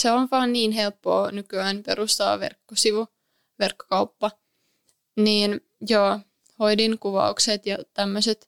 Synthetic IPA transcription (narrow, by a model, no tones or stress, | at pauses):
seonʋɑːnniːnɦelpːo̰ːnykyæːnperust̪ɑ̰ːʋḛrkːosiʋu | ʋerkːo̥kɑupːɑ | niːn | jo | hoidiŋkuʋɑ̰ukset̪jɑt̪æmːøset̪